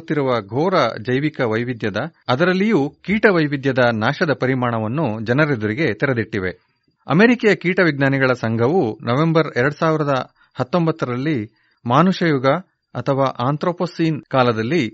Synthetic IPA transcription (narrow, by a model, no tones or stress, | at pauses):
t̪ːiɾuʋɐɡʱɔːɾɐd͡ʒɐjʋikɐʋɐjʋid̪jɐd̪ɐːd̪ɐɾɐlːijuːkiːʈɐʋɐjʋid̪jɐd̪ɐnaːʃɐd̪ɐpɐɾimaːɳɐʋɐnːud͡ʒɐnɐɾed̪uɾiɡe̞t̪ɛɾed̪iʈːiʋe̞̰ | ɐ̰meːɾikɛjɐkiːʈɐʋiɡnaːniɡɐɭɐsɐŋɡʱɐʋunɐʋe̞mbɐɾɛɾɐɽusaːʋiɾɐd̪ɐ | hɐt̪ːo̞mbɐt̪ːɐɾɐlːi | maːnuʂɐjuɡɐ | ɐt̪ʰɐʋaːʔaːnt̪ɾoːposiːnkaːlɐd̪ɐlːi